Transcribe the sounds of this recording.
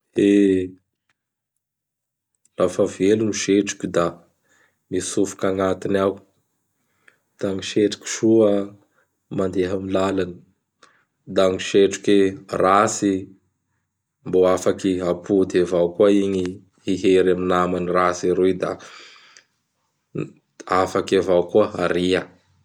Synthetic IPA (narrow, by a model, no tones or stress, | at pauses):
e | lafaveluniʃeʈ͡ʂi̥kʲud̪a | misufu̥kaŋat̪inaw | d̪̥aŋiʃeʈ͡ʂi̥kʲi̥ʃuə | mand̪eɦamilalani̥ | d̪aŋiʃeʈ͡ʂu̥kʲerasi | mboafakiapʰud̪evawkuaiɲi | hiɦeɾaminamanirasiɾud̪a̰ | afakavawkuəaɾia